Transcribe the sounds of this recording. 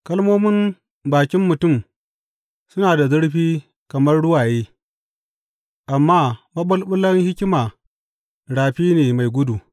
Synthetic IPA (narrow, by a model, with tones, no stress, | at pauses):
kɐ˦lmoː˦mɪ˦m | baː˨kʲɪ˦mːʊ˨tʊ˦˨m | sʊ˦naː˨da˨zʊ˦ɽɸiː˦ | kɐ˨mɐ˦rɽʊ˦waː˨jeː˦ | ʔa˨mːaː˦mɐ˦ɓɐ˦lɓʊ˦lːɐ˦ŋhɪ˦kʲɪ˦maː˨ | ɽaː˨ɸiː˦neː˨ma˨jɡʷʊ˦du˨